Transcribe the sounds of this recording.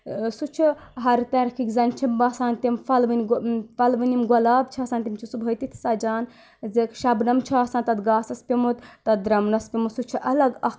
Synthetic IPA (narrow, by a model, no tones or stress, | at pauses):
sut͡ʃʰiɦɐɾt̪ɐɾkʰikzɐnt͡ʃʰimbɐsaːnt̪imfɐlʋɨnʲɡfɐlʋɨnʲimɡɐlaːbt͡ʃʰiɐːsaːnt̪imt͡ʃʰisubʱɐjt̪it̪ʰsɐd͡ʒaːn | zekʃɐbnɐmt͡ʃʰiaːsaːnt̪ɐt̪ɡaːsɐspʲimut̪t̪ɐd̪ɾɐmnɐspʲimusut͡ʃʰiʔɐlɐɡɐk